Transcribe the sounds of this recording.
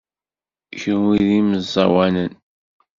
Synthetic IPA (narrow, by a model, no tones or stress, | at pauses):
çənwiðiməzˤːɑwænən